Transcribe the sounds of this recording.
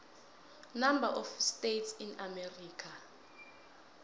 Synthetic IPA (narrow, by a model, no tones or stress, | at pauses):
namba̰ʔɔfstetsinamɛriːkʰa